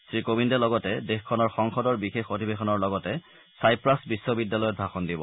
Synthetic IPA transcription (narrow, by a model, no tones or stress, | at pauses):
sɹikobindɛlɔɡɔtɛdexkʰːɔnɔɹxɔŋxɔdɔɹbixexodʱibexɔnɔɹlɔɡɔtɛ | sajpɹasbisːobidːalɔjɔt̚dʱaxɔndibɔ̰